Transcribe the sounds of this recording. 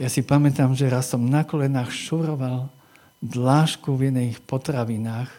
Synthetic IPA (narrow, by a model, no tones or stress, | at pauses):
jasipamɛt̪amʒɛɾasːɔmnakɔlɛnaːxʃuɾɔʋal | d̪laːʃkuvjɛd̪nɛxpɔt̪ɾaʋinaːx